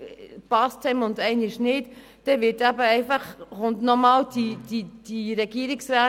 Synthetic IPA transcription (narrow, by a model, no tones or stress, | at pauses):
pɑstʰɛmʊndɛɪnɪʃnɪt | d̥ɛʋɪtabəɛɪfɑχʊndnɔmɑːld̥id̥id̥iɾɛɡ̥iːɾɪksɾɛː